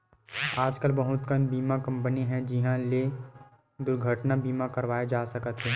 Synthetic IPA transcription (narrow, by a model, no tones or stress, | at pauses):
aːd͡ʒkəlbɐɦʊt̪kənbiːmakɐ̃mpəniɦɛ̃d͡ʒɪɦãle | d̪ʊɾɡʱəʈnabiːmakəɾʋaːed͡ʒaːsɐkət̪ɦɛː